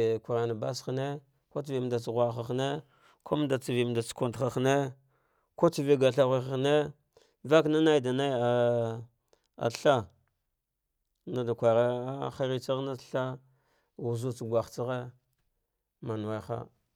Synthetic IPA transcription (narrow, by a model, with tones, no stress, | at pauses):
ku˨ɾa˨na˨ba˦sxne˦ | ko˦t͡si˨vi˨m˨da˨t͡sɣʷa˨xa˨xne˦ | kʰo˦m˦da˨t͡si˨vi˨m˨da˨t͡sku˨ntxa˨xne˦ | ko˦t͡si˨ve˦ɡa˨ɬa˦ɣi˦xa˨ne˦ | va˦kna˦na˦i˦˨da˨na˦i˦a˨ | a̰˨ɬa˦ | na˦da˨kʷa˨ɾa˦a˦xa˦ɾi˦t͡sa˦ɣna˦ɬa˦ | wu˨zu˦t͡sɡʷa˨xt͡si˦ɣe˦ | ma˨n˨wa˦jxa̰˦